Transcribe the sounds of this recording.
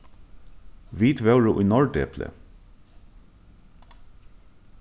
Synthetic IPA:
ʋiːt̪ʋœʊɹʊʔiːnɔɹɖḛːpʰlə̰

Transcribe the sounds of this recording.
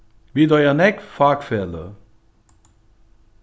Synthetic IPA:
ʋid̪ɔjanɛkfakfɛlə̰

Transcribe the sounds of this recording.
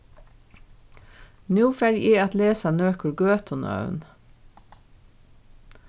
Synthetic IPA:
njuːfæɾʔiːɑt̪leːsɑnøːkəɡøːt̪ʰɔnʔɑ̰ʉn

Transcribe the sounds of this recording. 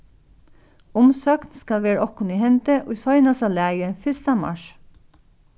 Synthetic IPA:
ʊmsøːknskɑʋeːɹɔkʊnihɛnt̪əʔʉsɔʏnɑsɑlæːjəfɪst̪ɑmɑ̰ʃ

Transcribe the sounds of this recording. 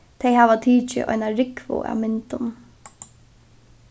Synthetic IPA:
t̪ʰɛjɦaːʋat̪ʰiːt͡ʃɪ̰ʔɔ̰jnaɾɪkvʊ̰ʔa̰mɪnt̪ʊn

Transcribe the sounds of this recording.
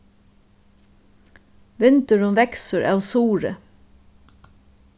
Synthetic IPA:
ʋɪnt̪əɹʊmʋɛksəɹʔɑ̰ːʋsuːɹə̰

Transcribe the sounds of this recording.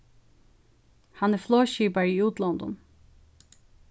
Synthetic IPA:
hanɛɹfloːʃiːpaɹiːuːt̪lɔnd̪ʊ̰n

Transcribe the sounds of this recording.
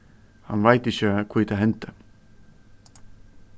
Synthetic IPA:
ha̰nvajt̪ɪçəkʰvuːt̪ʰaɦɛnt̪ə

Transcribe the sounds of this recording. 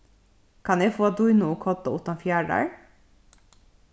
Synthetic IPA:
kʰɑnjæfoːɑd̪ʊjnʊoːkʰɔt̪ɑʊt̪ɑfjæːɖæ̰ɹ

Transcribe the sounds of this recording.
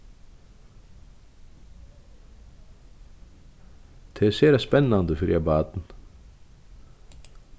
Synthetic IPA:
t̪ʰeːseːɾæspɛnɑnd̪əfœɾjæbɑːd̪n̩

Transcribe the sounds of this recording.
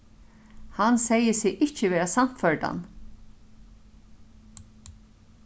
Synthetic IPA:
hansɛjəsɪʔɪhcəʋɛːɹasam̥t̪fœɹɖa̰n

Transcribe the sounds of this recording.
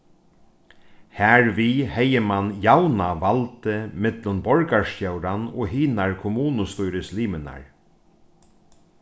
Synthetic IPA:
hæɹʋihɛjəmanjawnaʋalt̪ɪmɪt̪lʊnbɔɹkaɹsc̪œwɾanɔ̰ːɦiːnaɹkʰʊmuːnʊst̪ujɾɪsliːməna̰ɹ

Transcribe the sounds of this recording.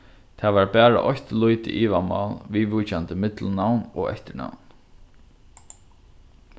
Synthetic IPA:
t̪ʰaːʋaɹbæːɹa̰ʔɔçt̪lujt̪ɪ̰ʔiːʋama̰lʋiʋujt͡ʃant̪əmɪt̪lnawnɔ̰ɣɛ̰ht̪ɪɳa̰wn

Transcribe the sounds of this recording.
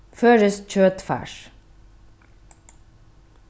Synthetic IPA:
føːɹəsc͡çøːt̪fæ̰ːʃ

